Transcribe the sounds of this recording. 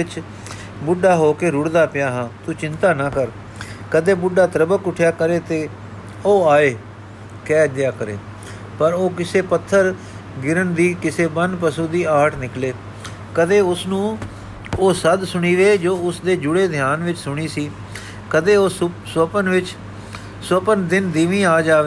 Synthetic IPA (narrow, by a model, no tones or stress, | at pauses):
ɪt͡ʃ | bʊɖaːɦoːkeːɾʊɽd̪aːpɪjaːɦãːt̪ʊt͡ʃɪ̃nt̪aːnaːkəɾ | kəd̪eːbʊɖaːt̪əɾəbəkʊʈʰjaːkəɾeːt̪eː | oːaːeː | kɛːd͡ʒ̪jaːkəɾḛː | pəɾoːkɪseːpət̪ʰːəɾ | ɡɪɾənd̪iːkɪseːbənpəsũːd̪iːaːʈʰnɪkleː | kəd̪eːʊsnũː | oːsəd̪sʊɽ̃iːʋeːd͡ʒoːʊsd̪eːd͡ʒʊɽeːd̪ʱjaːnʋɪt͡ʃsʊɽ̃iːsiː | kəd̪eːoːsəpənʋɪt͡ʃ | swəpənd̪ɪnd̪iːʋĩːaːd͡ʒaːʋeː